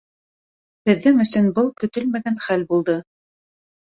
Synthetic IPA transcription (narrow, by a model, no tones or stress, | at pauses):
bɘ̆ðːɘŋɵ̆sɵnbɤlˠkɵ̆t̪ɵlmæɡænχælbulˠd̪ɤ